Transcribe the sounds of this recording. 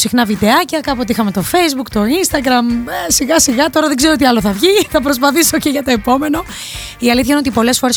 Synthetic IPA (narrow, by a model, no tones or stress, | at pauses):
sixnɐvid̪eɐcɐkɐpot̪ixɐme̞t̪o̞fe̞jzbukt̪o̞inst̪ɐɡɾɐmsiɣɐsiɣɐt̪o̞ɾɐðeɡzeoot̪̬iɐloθɐvʝiθɐpɾo̞s̬pɐθisoceʝɐt̪o̞e̞po̞me̞no̞ | iɐliθçɐinot̪ipo̞le̞sfo̞ɾe̞s